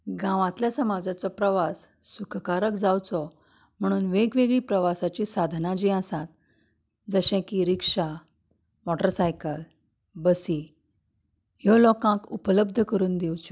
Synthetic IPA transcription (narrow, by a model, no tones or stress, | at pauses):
ɡãʋãt̪ljasəmad͡zat͡sɔpɾəʋasːukʰkaɾəkd͡zawt͡sɔ | m̤əɽ̃uːnʋeɡʋeɡɭiːpɾəʋasat͡ɕisad̪ʱnãd͡ʑiəsat̪̚ | d͡zəɕɛ̃kiɾikʂa | mɔʈəɾsajkəl | bəsi | jɔlɔkãkupələb̚d̪ʱəkəɾuːnd̪ewt͡ɕu̥